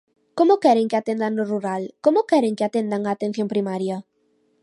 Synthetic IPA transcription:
komokeɾeŋkeat̪end̪anoruɾalkomokeɾeŋkeat̪end̪aŋaːt̪ẽn̟θjõmpɾimaɾja

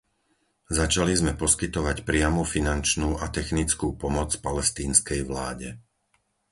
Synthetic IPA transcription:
zat͡ʃalizmɛpɔskit̪ɔʋacpɾɪamufinant͡ʃnuːʔat̪ɛxnit͡skuːpɔmɔt͡spalɛst̪iːnskɛjʋlaːɟɛ

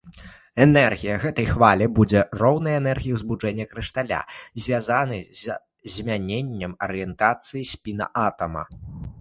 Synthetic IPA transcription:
ɛnɛrɣʲijɐɣɛt̪ɐjxvalʲɛbud͡zʲɛrɔwnɐjɛnɛrɣʲijiwzbud͡ʐɛnʲːɐkɾɨʂt̪alʲa̰zʲvʲazanɨzʲ | zʲmʲanʲenʲːɐmɐɾɨjɛnt̪at̪sɨjisʲpʲinɐ̰ʔat̪ɐmɐ̰

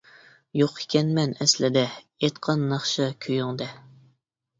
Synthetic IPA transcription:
joqi̥kʲʰɛnmɛnɛslɪd̪ɛ | et̪qʰɑnːɑχʃɑkʲʰøjyŋd̪ɛ

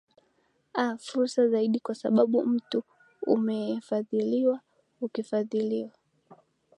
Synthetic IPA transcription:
afuɾsazaiɗikwasa̰ɓaɓum̩tu | ṵmɛɛfaðiliwa | ukifaðiliwa

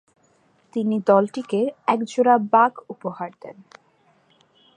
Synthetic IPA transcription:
t̪inid̪ɔlʈikeɾɛkd͡ʑoɾabaɡupohaɾd̪ḛn

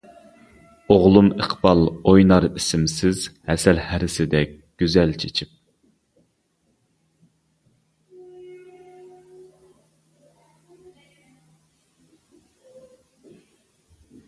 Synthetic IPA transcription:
oʁlˠuməqb̥ɑlˠojnɑɾisɪmsɪz̥hɛsɛlhæɾɪsɪd̪ɛk̚ʲɡ̥ʲyzɛlt͡ʃʰet͡ʃʰip̚

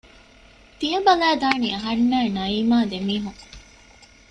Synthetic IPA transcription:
t̪iɐbɐlæːd̪aːniɐɦɐnːæːnɐiːmaːd̪emiːɦuŋ

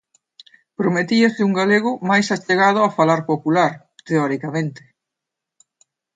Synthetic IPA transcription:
pɾomet̪iɐsɪuŋɡaleɣʊmajsat͡ʃeɣað̞ʊafalaɾpopulaɾ | t̪eɔɾikamẽnt̪ɪ̥

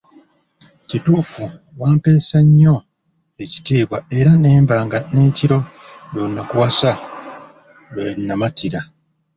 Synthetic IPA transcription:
cituːfu | waːmpe̞ːsaɲːo̞ | e̞ci̥tiːβwae̞ɾane̞ːmbaːŋɡane̞ːciɾo̞ | jonːakuwasa | enːamatiɾa

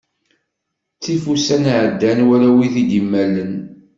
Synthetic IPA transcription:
t͡sːifusænʕəd̪ːænwælæwiθid̪imːælːən

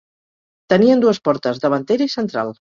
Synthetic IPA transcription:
t̪əniənd̪uəspɔɾt̪əzðəβənt̪eɾəisənt̪ɾa̰lˠ

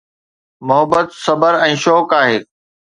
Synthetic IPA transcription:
mʊɦəbət̪sɐbəɾɛ̃ːʃɔːkaːɦeː

